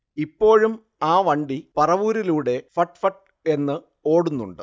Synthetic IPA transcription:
ipːo̞ːɻum | aːʋɐɳɖipɐrɐʋuːɾiluːɽe̞fɐʈːfɐʈ̚ | e̞nːɨ | o̞ːɽunːuɳɖɨ

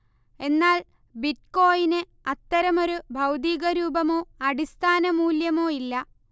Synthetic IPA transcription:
e̞nːaːl | bit̚ko̞ːjinɨ | ɐt̪ːɐɾɐmo̞ɾubʱɐwd̪iːɣɐɾuːbɐmo̞ːɐɽist̪ʰaːnɐmuːljɐmo̞ːilːɐ

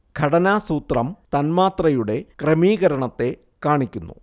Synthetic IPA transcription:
ɡʱɐɽɐnaːsuːt̪rɐmt̪ɐnmaːt̪rɐjuɽe̞kremiːɣɐɾɐɳɐt̪ːe̞ | kaːɳikʲːunːṵ

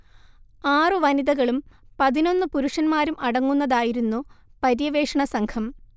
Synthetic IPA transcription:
aːrɨʋɐniðɐɣɐɭumpɐðino̞nːɨpuɾuʂɐnmaːɾumʔɐɽɐŋːunːɐðaːjiɾunːupɐɾjɐʋeːʂɐɳɐsɐŋkʰɐm

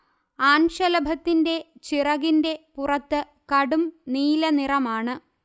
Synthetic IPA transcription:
aːnʂɐlɐbʱɐt̪ːinde̞t͡ɕirɐɣinde̞purɐt̪ːɨ | kɐɽumniːlɐnirɐmaːɳɨ

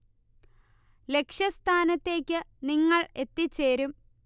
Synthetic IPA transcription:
le̞kʂjɐst̪ʰaːnɐt̪ːe̞ːkʲːɨniŋːɐɭe̞t̪ːit͡ɕːe̞ːɾum

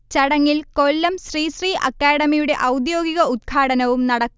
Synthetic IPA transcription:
t͡ɕɐɽɐŋːilko̞lːɐmɕriːɕriːʔɐ̰kːaːɽɐmijuɽe̞ʔɐwd̪jo̞ːɡiɣɐud̪̚ɡʰaːɽɐnɐʋumnɐɽɐkː

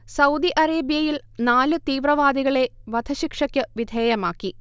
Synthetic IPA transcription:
sɐwd̪iʔɐɾeːbijɐjil | naːlɨt̪iːʋrɐʋaːd̪iɣɐɭe̞ʋɐd̪ʱɐɕikʂɐkʲːɨʋid̪ʱeːjɐmaːkːi

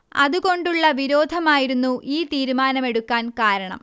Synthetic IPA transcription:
ɐ̰ðuko̞ɳɖuɭːɐʋiɾo̞ːd̪ʱɐmaːjiɾunːuʔiːt̪iːɾumaːnɐme̞ɽukːaːnkaːɾɐɳɐ̰m

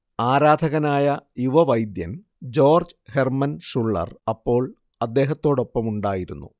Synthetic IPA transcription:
aːɾaːd̪ʱɐɣɐnaːjɐjuʋɐʋɐjd̪jɐn | d͡ʑo̞ːrd͡ʑɨhe̞rmɐnʂuɭːɐ̰rɐpːo̞ːɭ | ɐd̪ːe̞ːɦɐt̪ːo̞ːɽo̞pːɐmuɳɖaːjiɾunːṵ

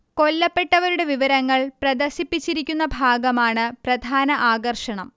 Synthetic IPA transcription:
ko̞lːɐpːe̞ʈːɐʋɐɾuɽe̞ʋiʋɐɾɐŋːɐɭprɐd̪ɐrsipːit͡ɕːiɾikʲːunːɐbʱaːɡɐmaːɳɨprɐd̪ʱaːnɐʔaːɡɐrʂɐɳɐm

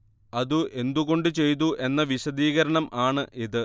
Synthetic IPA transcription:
ɐðuʔe̞nd̪uɣo̞ɳɖɨt͡ɕe̞jt̪̬uʔe̞nːɐʋiɕɐd̪iːɣɐɾɐɳɐmʔaːɳɨʔiðɨ

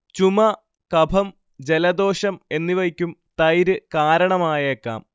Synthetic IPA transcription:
t͡ɕumɐ | kɐbʱɐm | d͡ʑe̞lɐd̪o̞ːɕɐme̞nːiʋɐjikʲːumt̪ɐjɾɨkaːɾɐɳɐmaːjɐekːa̰ːm

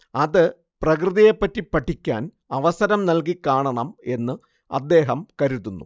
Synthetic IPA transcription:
ɐðɨ | prɐkrɨðɐjepːɐtːipːɐʈʰːikʲːa̰ːn | ɐʋɐsɐɾɐmnɐlkikːaːɳɐɳɐme̞nːɨ | ɐ̰d̪ːe̞ːɦɐmkɐɾit̪ːunːṵ

